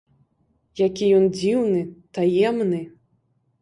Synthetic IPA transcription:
jakʲijɔnd͡zʲiwnɨt̪ajɛmnɨ

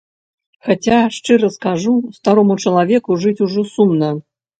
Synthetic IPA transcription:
xat͡sʲaʂt͡ʂɨɾɐskaʐust̪aɾɔmut͡ʂɐlˠavʲɛkuʐɨt͡sʲuʐɔsumnɐ

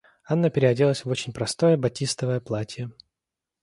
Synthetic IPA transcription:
anːəpʲɪɾʲɪɐdʲilˠəsʲvo̞t͡ɕɪnʲpɾɐst̪o̞jəbɐtʲist̪əvəjəplˠatʲijə

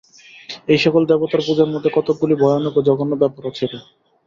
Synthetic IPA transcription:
ejʃɔkold̪ɛbot̪aɾbud͡ʑaɾmod̪ʱːekɔt̪ok̚ɡulibʱɔjonokod͡ʑɔɡonːobɛpoɾat͡ɕʰele

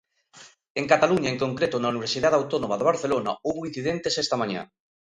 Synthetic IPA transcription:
eŋkat̪aluɲaeŋkoŋkɾet̪ʊnauniβ̞eɾsiðaðawt̪onomaðoβaɾθelona̰oβoin̟θiðent̪esest̪amaɲa̰

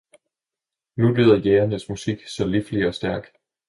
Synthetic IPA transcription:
nuly̰ːðˠɐjeːɐnəsmusiɡ̥sɒ̽lifliɒ̽sd̥æɐɡ̥

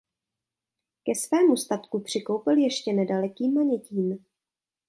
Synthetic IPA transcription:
kɛsvɛːmust̪at̪kupr̝̥ɪko̞wpɪljɛʃcɛnɛdalɛkiːmaɲɛciːm

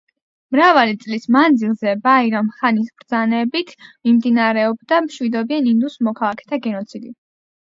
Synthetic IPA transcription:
mɾavalit̪sʼlismand̪zilˠzɛbaiɾamχanisbɾd̪zanɛbit̪ʰmimd̪inaɾɛɔbd̪amʃwid̪ɔbianind̪usmɔkʰalˠakʰɛ̥t̪ʰaɡɛnɔt̪sʰid̪i

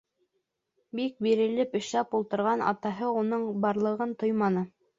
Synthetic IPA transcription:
bik̚biɾɘ̆lɘpɘ̆ʃlæpulˠt̪ɤ̆ɾʁɑnɑ̰t̪ɑɦɤunɤɴbɑɾlˠɤ̆ʁɤnt̪ojmɑnɤ

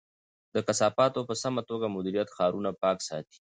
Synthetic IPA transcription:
d̪̥əkasɑːpɑt̪opəsamat̪oɡamʊd̪iɾijat̪xɑːɾunapɑːksɑ̰t̪i̥

